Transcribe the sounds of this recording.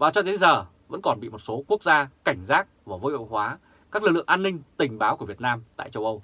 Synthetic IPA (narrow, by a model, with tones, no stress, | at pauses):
vaː˨˩t͡ɕɔ˧t̪e˨˦zəː˨˩ | və̰˧˥nkɔ˨˩nɓḭ˧˨mo˨˩t̚so˨˦ku˦˥ək̚zaː˧ka˧˩jŋ̟zaː˦˥k̚vaː˨˩vo˧jwə̰˧˨hɦwaː˨˦ | kaː˦˥klɨ˨˩lɨ̰˧˨əʔaː˧nːï˧ŋ̟t̪ï˨˩ŋ̟ɓaː˨˦wku˧˩əvi˨˩ət̚naː˧mt̪a̰ː˧˨jt͡ɕə˧wʔə˧w